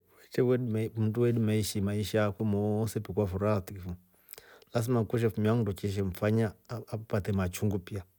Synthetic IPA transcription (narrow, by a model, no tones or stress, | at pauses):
wɛt͡ʃɛwɛmunduwɛɗimaiʃimaiʃakumɔsɛpikafuɾatikifum | las̬imakuʃ̬ɛfumiaŋudut͡ʃɛʃ̬ɛɱ̩faɲaːpatɛmat͡ʃuŋɡupia